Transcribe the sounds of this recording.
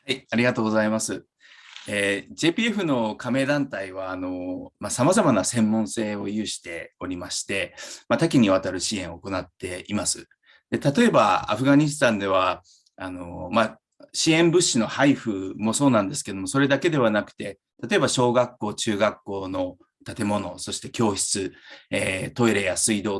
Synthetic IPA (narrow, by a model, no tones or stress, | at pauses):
haiaɾʲiɡat̪oːɡozaimasɨ | eːʑe̞ːpʲiːeɸɯ̟no̞kame̞ːd̪ãnt̪aiβ̞aːno̞masamazamanasẽ̞mːõ̞ɰ̃se̞ːo̞jɯːɕi̥t̪e̞o̞ɾʲimaɕi̥t̪e̞mat̪ak̬ʲiɲ̟iβ̞at̪aɾɯ̟ɕiẽ̞ɰ̃oko̞nat̪ːe̞imasɨ | d̪̥e̞t̪at̪o̞e̞ba̰a̰ɸɯ̟ɡaɲ̟is̬ɨ̥t̪ãnd̪e̞β̞a | ano̰ma | ɕiẽ̞mbɯ̟ɕːino̞haiɸɯ̟mo̞so̞ːnãnd̪e̞sɨ̥ke̞d̪o̞moso̞ɾe̞d̪ake̞d̪e̞βanakɯ̟̥t̪e̞ | t̪at̪o̞e̞baɕo̞ːɡakːo̞ːt͡ɕɨːɡakːo̞ːno̞ | t̪at̪e̞mo̞no̞so̞ɕi̥t̪e̞̥kʲo̞ːçi̥t͡sɨet̪o̞iɾejasɨid̪o̞ː